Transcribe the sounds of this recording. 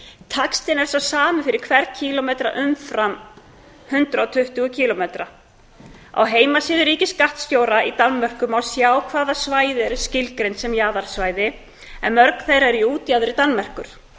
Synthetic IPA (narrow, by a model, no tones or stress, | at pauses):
t̪ʰakst̪ɪnɛɾsasaːmɪfɪɾɪɾkʰvɛɾðcʰilɔmejt̪ɾa̰ʔʏmfɾam | hʏnt̪ɾaɔt̪ʰʏht̪ʏɣʏcʰiːlɔmejt̪ɾa | a̰wɦeːjmasiːðʏɾiːcɪskaht̪st̪joːwɾaʔit̪anːmœr̥kʏmawsjaːwkʰvaːðasvaːjðɪɛɾscɪlkɾejnt̪sɛmjaːðaɾ̥svaːjðɪ | ɛnmœɾkn̥θejɾaɛɾiuːt̪jaðʏɾit̪anːmɛr̥kʏɾ̥